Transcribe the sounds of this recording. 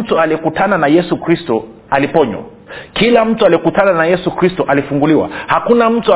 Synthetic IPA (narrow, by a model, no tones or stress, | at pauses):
tualiɛkutananajɛsukɾistɔ | alipɔɲwa̰ | kilam̩tualiɛkutananajɛsukɾistɔʔalifuŋɡuliwa̰hakunam̩tua